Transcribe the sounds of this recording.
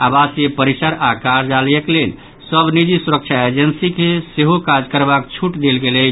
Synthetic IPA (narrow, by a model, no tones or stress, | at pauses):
abasjepəɾisəɾakaɾd͡ʒaljeklel | səbnid͡ʒisuɾək̚t͡ʃʰaed͡ʒənsikeseɦokad͡ʒkəɾbakt͡ʃʰuʈd̪elɡelɛ